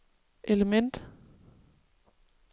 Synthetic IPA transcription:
ʔeləmen̰d̥

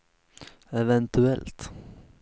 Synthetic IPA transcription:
ɛvɛnt̪ɵɛlt̪

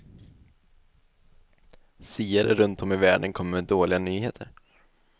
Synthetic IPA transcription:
siːaɾəɾɵnt̪ɔmːɪvæːɖənkʰɔmːəɾmɛd̪oːlɪɡanyːheːt̪ʰəɾ

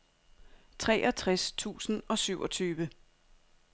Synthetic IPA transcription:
t͡sʰʁɛʔɒt͡sʰʁast͡sʰṵːsn̩ɒ̽syʊɒ̽t͡sʰyːʋə

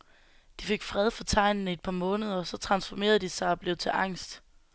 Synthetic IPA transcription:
d̥ife̝ɡ̥fʁɛð̞ˠfɒ̽t͡sʰɑ̈ɪ̰nn̩e̝d̥̚pʰɑ̈ːmɔ̽ːnəð̞ˠɐsɒ̽t͡sʰʁɑ̈nsfɒme̝̰ːɐð̞ˠd̥isɑ̈ɪɒ̽b̥le̝ʊt͡sʰe̝ʔɑ̈ŋ̰sd̥

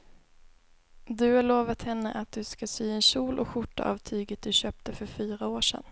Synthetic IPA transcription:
d̪ɵhaɭoːvat̪hɛnːə̰ʔat̪̚d̪ɵskasyːɛnɕuːlʔɔ̰kɧʊʈːa̰ʔɑ̰vt̪ʰyːɡət̪̚d̪ɵɕøːp̚t̪əfœɾfyːɾaoːʂɛ̰n

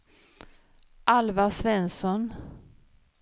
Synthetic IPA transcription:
ʔalvasvɛnsɔn

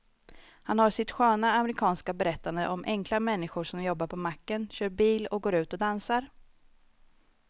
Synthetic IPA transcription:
hanhaʂɪt̪ɧøːnaːmɛɾɪkʰɑːnskabɛɾɛt̪ːand̪əʔɔmʔɛŋklamɛnːɪɧʊʂɔmjɔbːaɾpʰɔmakːənɕøːɾbiːlɔk̚ɡoːɾʉ̟ːt̪ɔd̪ansaɾ

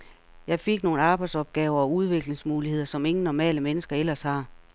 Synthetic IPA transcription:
jɑ̈ɪfe̝ɡ̥no̝ːn̩ɑ̈ːb̥ɑ̈ɪd̥̪sɒ̽b̥̚ɡ̥ɛːʊɐɒ̽uð̞ˠʋe̝ɡ̥le̝ŋsmuːlihe̝ð̞̰ˠɐsɒ̽me̝ŋn̩nɒmɛ̰ːləmenəsɡ̥ɐelɐshɑ̈

